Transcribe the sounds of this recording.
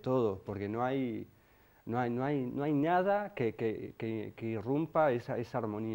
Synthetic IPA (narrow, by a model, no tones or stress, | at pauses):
t̪oðopoɾkenõaj | nõajnõajnõajnaðakekekekeirumpaesaesaaɾmõni